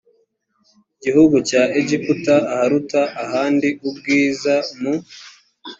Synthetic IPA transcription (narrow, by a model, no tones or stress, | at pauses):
ɟihuɡucaeɟikutaahaɾutaʔːhaːndiʔubɡiːzamu